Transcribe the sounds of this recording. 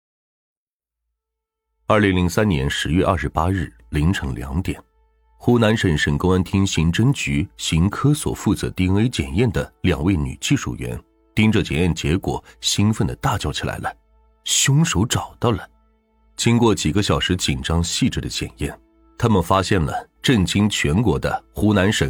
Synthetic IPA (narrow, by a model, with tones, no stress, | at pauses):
ɐ˞˥˩li˧˥ŋli˧˥ŋsa˥nnjɛ˧˥nʂɻ̩˧˥ɥɛ˥˧ʔɐ̰˞˥˩ʂɻ̩˧˥pa˥ɻɻ̩˥˩ | li˧˥ŋʈ͡ʂʰɤ˧˥ŋljɑ̰˧˥ŋt̪jɛ˨˩˦n | xu˥na˧˥nʂə˧˥nʂə˨˩ŋko˥ʊa˥nt̪ʰi˥ŋɕi˧˥ŋʈ͡ʂə˥nŋt͡ɕy˧˥ɕi˧˥ŋkʰɤ˥swɔ̰˨˩fu˥˩t͡sɤ̰˧˥t̪i˥e˥ɪt͡ɕjɛ˨˩njɛ˥˩nd̪ə˩ljɑ̰˨˩ŋwe˥˩ɪny̰˨˩t͡ɕi˥˧ʂṵ˥˩ɥɛ̰˧˥n | t̪i˥ŋʈ͡ʂɤ˥˩t͡ɕjɛ̰˨˩njɛ˥˩nt͡ɕjɛ˧˥kwɔ̰˨˩˦ɕi˥nfə˥˧nd̪ə˩t̪a˥˩t͡ɕjɑ˥˩ʊt͡ɕʰi˨˩lʔa̰˧˥ɪlə˧ | ɕjʊ˥ŋʂo˧˥ʊʈ͡ʂɑ˨˩ʊt̪ɑ˥˩lə˩ | t͡ɕi˥ŋkwɔ˥˩t͡ɕi˨˩ɡə˦ɕjɑ˨˩ʊʂɻ̩˧˥t͡ɕi˨˩nʈ͡ʂɑ˥ŋɕi˥˧ʈ͡ʂɻ̩˥˩d̪ə̰˦t͡ɕjɛ̰˨˩njɛ̰˥˩n | t̪ʰa˥mə˨nfa˥ɕjɛ˥˩nlə̰˩ʈ͡ʂə˥˩nt͡ɕi˥ŋt͡ɕʰɥɛ˧˥nkwɔ˧˥d̪ə̰˧xu˧˥na˧˥nʂə˨˩˦n